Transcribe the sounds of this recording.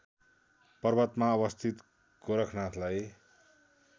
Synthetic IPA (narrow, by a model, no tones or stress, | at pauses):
pʌrbʌt̪maʌbʌst̪ʰit̪ | koɾʌkʰnãt̪ʰlaj